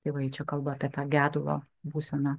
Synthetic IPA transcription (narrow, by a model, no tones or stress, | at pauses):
t̪ɐɪʋɐjɪt͡ʃʲɛkɐlˠbɐːpʲiɛt̪ɑːɡʲæːd̪ʊlˠo̰ː | buːsʲɛnɑ